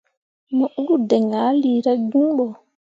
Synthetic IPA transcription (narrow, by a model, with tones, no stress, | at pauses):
mɔ˦ʔɡu˦dɛ˨ŋa˨˦liː˨ɾa˦ɡu˦ŋɓɔ˨